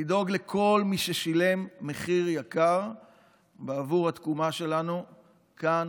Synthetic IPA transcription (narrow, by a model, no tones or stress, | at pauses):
ido̞ɡle̞kʰo̞lmiʃeʃile̞mːe̞χiʁjakaʁ | beavuʁhat̪kumaʃe̞lanu | kan